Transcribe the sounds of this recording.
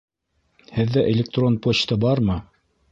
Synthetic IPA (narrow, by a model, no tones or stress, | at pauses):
hɘ̆ðːæʔelʲɪk̚t̪ro̞npot͡ɕt̪ɤbɑɾmɤ